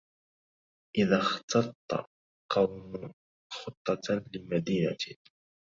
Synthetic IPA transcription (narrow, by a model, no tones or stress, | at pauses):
ʔɪðaxt̪ɑt̪ˤːɑ̰ | qɑwm | xʊt̪ˤːɑt̪lɪmad̪iːna̰t̪